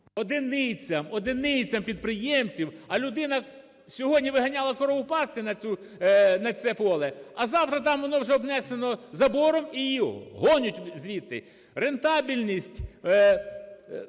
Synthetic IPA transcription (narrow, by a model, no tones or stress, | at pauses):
ɔd̪ɪnɪt͡sʲɐmɔd̪ɪnɪt͡sʲɐmpʲid̪̚pɾɪjɛmt͡sʲiwɐlʲʊd̪ɪnɐ | sʲɔɦɔdʲnʲiʋɪɦɐnʲɑlˠɐkɔɾɔʊpɑst̪ɪnɐt͡sʲu | nɐt͡s̪ʲɛpɔlˠɛɐzɑwt̪ɾɐt̪ɑmʋɔnɔwʒɛɔbnɛse̞nɔzɐbɔɾɔmijiɔɦɔnʲʊtʲzʲʋʲit̪ːɪ | re̞nt̪ɑbʲilʲnʲisʲtʲ